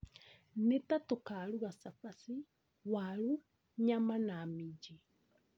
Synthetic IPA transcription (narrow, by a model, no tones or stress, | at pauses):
netatokaɾuɣasafasi | waɾu | ɲamanamid͡ʒi